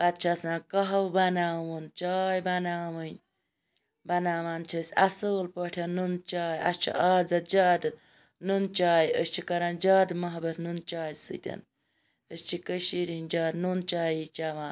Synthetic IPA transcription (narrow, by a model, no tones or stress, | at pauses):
bɐt̪̚t͡ʃʰasãːkɐɦɐwbɐnaːwunt͡ʃaːjbɐnaːwɨnʲ | bɐnaːmaːnt͡ʃʰɐsʲɐsoːlpəʈʰʲɐnunt͡ʃaːjɐ̰t͡ʃʰḭʔaːd͡zɐt̪̚d͡ʒaːd̪ɨ | nunt͡ʃaːjiəst͡ʃʰikɐɾaːnd͡ʒaːd̪mɐɦbɐt̪nunt͡ʃaːjsɨ̰d̪ʲɐ̰n | əst͡ʃʰikəʃiɾinʲd͡ʒaːd̪nunt͡ʃaːjit͡ʃaʋãː